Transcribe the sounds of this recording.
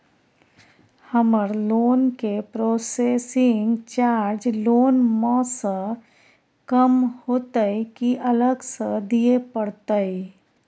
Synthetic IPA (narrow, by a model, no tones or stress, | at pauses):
həməɾloːnkepɾoːseːsɪŋɡt͡ʃaːɾd͡ʒloːnmə̃sə | kəmhoːt̪əikiʔələɡsəd̪iepəɽt̪əi